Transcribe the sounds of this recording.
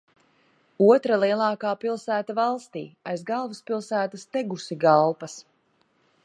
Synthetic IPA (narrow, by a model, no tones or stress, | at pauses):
uɔt̪ɾalˠiɛlˠɑːkaːpilˠsæːt̪avɑlˠst̪ḭːajzɡalˠvuspilˠsæːt̪ast̪ɛɡusiɡalˠpɐs